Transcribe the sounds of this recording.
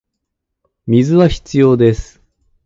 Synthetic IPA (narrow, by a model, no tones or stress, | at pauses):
mʲizɨβaçi̥t͡sɨjo̞ːd̪e̞sɨ̥